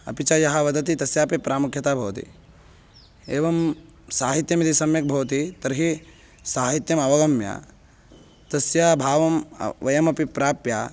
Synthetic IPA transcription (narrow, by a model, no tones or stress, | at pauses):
ɐ̰pit͡ʃɐjɐɦɐʋɐd̪ɐt̪it̪ɐsjaːpipɾaːmukʰjɐt̪aːbʱɐʋɐt̪ḭ | eːʋɐm | saːɦit̪jɐmit̪isɐmjɐk̚bʱɐʋɐt̪it̪ɐɾɦi | saːɦit̪jɐmɐʋɐɡɐmja̰ː | t̪ɐsjaːbʱaːʋɐm̰ʋɐjɐmɐpipɾaːpjaː